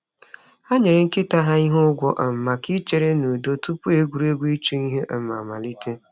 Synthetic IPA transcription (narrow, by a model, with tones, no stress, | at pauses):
a˦ɲe˨ɾe˨ŋ̩˦ke˦ta˦ɦa˦i˦ɦʊ˦ɡʷɔ˦ʔ̩˨m̩˨ma˨ki˦t͡ʃe˨ɾe˦nu˨do˦tu˦pu˦e˦ɡʷu˨˦ɾu˦e˦ɡʷu˦i˦t͡ʃu˦i˦ɦe˦ʔ̩˨ma̰˨ma̰˨li˦tʰe˦